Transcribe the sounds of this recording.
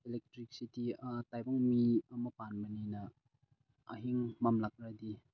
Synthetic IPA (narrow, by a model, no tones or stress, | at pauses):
elek̚tɾik̚sititajbɔŋmiəməpanbəninɐː | ɦiŋmamlak̚ɾadi